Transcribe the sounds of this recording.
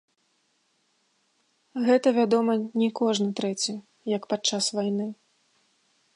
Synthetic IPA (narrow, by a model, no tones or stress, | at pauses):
ɣɛt̪ɐvʲad̪ɔmɐnʲɛkɔʐnɨt̪ɾɛt͡sʲi | jɐkpat͡ʂːasvajnɨ